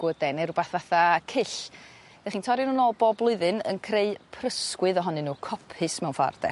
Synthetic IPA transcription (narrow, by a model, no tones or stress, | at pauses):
ɡ̥ʊdɛnɪrubaθvaθakʰɪɬ | d̥aχiːntʰɔɾjɪnuːnɔlˠboːblˠʊɨðɨnə̰nkʰreɨpʰrəskwɨðɔɦɔnɨnuːkʰɔpʰɨsmɛwnfa̰rd̥ɛ̰